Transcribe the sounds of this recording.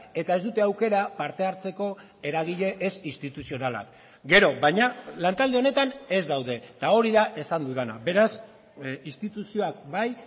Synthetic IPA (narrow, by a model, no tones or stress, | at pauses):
e̞t̪ae̞zd̪ut̪e̞awke̞ɾapaɾt̪e̞aɾt͡se̞ko̞ | e̞ɾaɣ̞iʎe̞ʔesinst̪it̪usio̞nala̰k | ɡe̞ɾo̞βajɲalant̪ald̪e̞o̞ne̞t̪ane̞zd̪awðe̞t̪ao̞ɾiðaʔe̞sand̪uð̞ena̰be̞ɾas | ist̪it̪usio̞akbaj